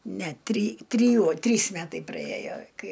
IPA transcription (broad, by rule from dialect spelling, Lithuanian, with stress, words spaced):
nʲɛ tʲrʲiː tʲrʲiːˈjuɔ ˈtʲrʲiːs ˈmʲæːtɐɪ prɐˈeːjoː ˈkɐɪ